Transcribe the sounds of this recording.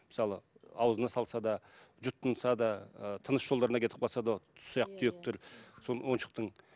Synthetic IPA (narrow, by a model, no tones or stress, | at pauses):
mɪsɑlˠəɑwəzənɑsɑlˠsɑd̪ɑ | ʒʊt̪ʰːənsɑd̪ɑt̪ʰənəsʒolˠd̪ɑɾənɑkʰʲe̞t̪ɪ̥p̚qʰɑlˠsɑd̪ɑ̥səjɑq̚t̪ət̪ʰʏjek̚t̪ɪɾsonwo̞nʃə̥q̚t̪əɴ